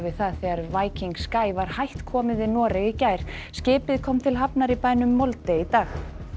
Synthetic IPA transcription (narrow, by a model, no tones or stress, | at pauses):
vɪðθaðθɛɣaɾvaːjciŋkskaːjvaɾ̥hajht̪kʰɔːmɪðɪnɔːɾɪɣicaːjɾ̥ | scɪːpɪðkʰɔːmt̪ʰɪlɦapnaɾipaːjnʏmːɔlt̪eit̪aːx